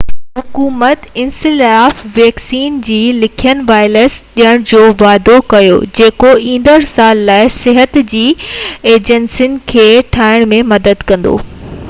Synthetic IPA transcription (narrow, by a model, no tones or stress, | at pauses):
ɦʊkuːmət̪ɪ̃nsɪlaːfʋeːksiːnd͡ʑiːlɪkʰijənʋaːɪləsɗijəɽ̃d͡ʑoːʋaːd̪okɐjo̰d͡ʑeːkoĩːn̆d̪əɾsaːlːaːɪsɪɦət̪d͡ʑiːeːd͡ʑənsiʊnɪ̆kʰeːʈʰaːɪɽ̃mẽmɐd̪əd̪kɐ̃nd̪o̰ː